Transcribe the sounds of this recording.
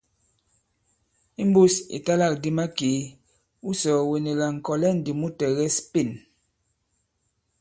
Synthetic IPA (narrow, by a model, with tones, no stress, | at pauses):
i˦m˦bu˦sḭ˨ta˦la˦˨k̚di˦ma˦keː˨˦ | u˦sɔ˨we˨ne˨la˨ŋ̩˨kɔ˨lɛ˦˨n̩˨di˨mu˦tɛ˨ɣɛ˦spi˦˨n